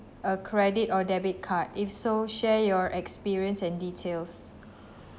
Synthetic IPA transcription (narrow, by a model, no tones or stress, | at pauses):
əkʰɹɛditɔdɛbit̚kʰatifsoʃɛjɔɹʔɛkspiɹiə̃nsɛ̃nditʰels